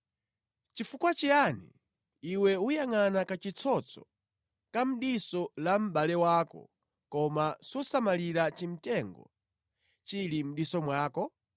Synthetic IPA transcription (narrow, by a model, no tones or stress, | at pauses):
t͡ʃifukwat͡ʃianḭː | wɛujaŋanakat͡ʃit͡sʰɔt͡sʰɔ | kam̩ɗisɔlam̩ɓalɛwaːkɔ̰ | kɔmasɔsamaliɾat͡ʃim̩tɛŋɡɔ̰ | t͡ʃilim̩ɗisɔmwaːkɔ